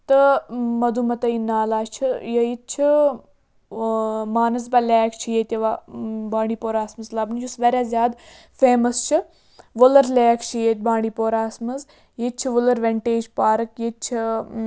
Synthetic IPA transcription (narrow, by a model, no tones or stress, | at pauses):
t̪ɨmɐd̪umɐt̪ɐinaːlaːt͡ʃʰijɐjit̪̚t͡ʃʰi | maːnɐzbɐlʲɛːkʰt͡ʃʰijeːt̪ʲjɐʋabaːɳɖiːpoːɾaːsmɐzlɐbnid͡ʒusʋɐɾʲjaːzʲjaːd̪ | feːmɐst͡ʃʰi | ʋolɐɾlʲɛːkʰt͡ʃʰijeːt̪̚ʲbaːɳɖipoːɾaːsmɐz | jit͡ʃʰiʋulɐɾʋeɳʈeːd͡ʒpaːɾɐkjet͡ʃʰi